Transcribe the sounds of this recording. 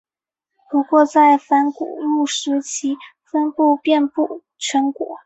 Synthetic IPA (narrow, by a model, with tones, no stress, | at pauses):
pu˧˥kwɔ˥˧t͡sa˥˩ɪfa˧˥nkṵ˨˩lu˥˩ʂ̩˧˥t͡ɕʰi˧˥ | fə˥npu˥˧pjɛ˥˧npu˥˩ | t͡ɕʰɥɛ˧˥nkwɔ̰˨˩˦